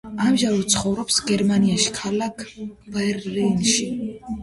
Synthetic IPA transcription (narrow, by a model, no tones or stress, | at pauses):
amʒaɾɛt̪sʰχɔvɾɔpsɡɛɾmaniaʃi̥kʰalakʰb̥ɛɾlɛnʃi